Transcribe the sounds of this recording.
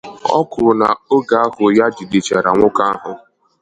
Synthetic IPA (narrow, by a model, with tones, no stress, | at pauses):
ɔ̰˦kʊ˨ɾʊ˨na˨o˦ɡa˨˦a˦hʊ˨ja˦d͡ʒi˨di˨t͡ʃa˨ɾa˨ŋʷʊ˦ka˦a˦ɦʊ˦